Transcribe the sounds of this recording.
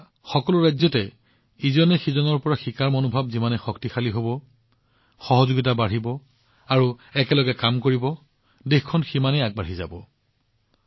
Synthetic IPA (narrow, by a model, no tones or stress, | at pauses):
xɔkɔlʊɹajzɔtɛ | izɔnɛxizɔnɔɹpɔɹaxikaɹmonʊbʱabzimanɛxɔktixaliɦobɔ | xɔɦɔzoɡit̬abaɹ̤ibɔ | aɹuɛkɛlɔɡɛkamkoɹibɔ | dexkʰːɔnximanɛjaɡ̚baɹ̤iza̰bɔ